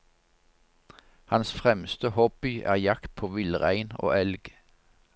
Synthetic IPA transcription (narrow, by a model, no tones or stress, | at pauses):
hɑnsfʁɛmst̪əhɔb̥ɪʔæ̰ːʁjɑkt̪̚pʰoːʋɪləʁæɪno̰ːʔɛlɡ